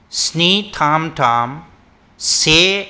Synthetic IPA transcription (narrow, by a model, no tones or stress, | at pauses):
snit̪ʰãːmtʰaːm | se